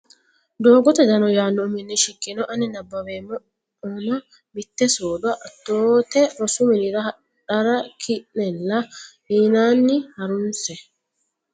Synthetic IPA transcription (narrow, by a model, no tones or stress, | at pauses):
d̪oːɡɔt̪ɐd͡ʒ̪ɐnɔjaːnːɔːmɪnːɛʃɪkʼːɪnɔʔɐnɪnɐbːɐweːmːɔ | oːnɐ | mɪt̪ːɛsoːd̪ʊɐʔɐt̪ːoːt̪ɛɾɔsʊmɪnɪɾɐhɐ | ᶑɐɾɐkʰɪʔnɛlːɐhiːnaːnːɪhɐɾʊnsɛ